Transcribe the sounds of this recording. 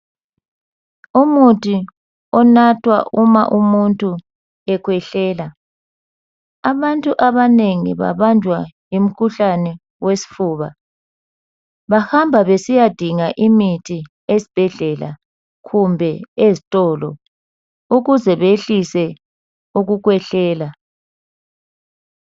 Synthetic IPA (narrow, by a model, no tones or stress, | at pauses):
umutʼʰi | ɔnatʰwa̰ʔuma̰ʔumuntʼu | ɛkʰwɛɬɛːla | aβantʼuʔaβaneŋḭβa̰βand͡ʒʱwajim̩kʰuɬanɛ | wesi̥fuːβa | βahambʱaβesijad̥ʱiŋaʔimitʰi | esi̥b̥ʱɛɮɛla̰ | ɣumbʱɛezitʼɔːlɔ̰ | uɣuzɛβeɬisɛ | uɣuɣwɛɬɛːla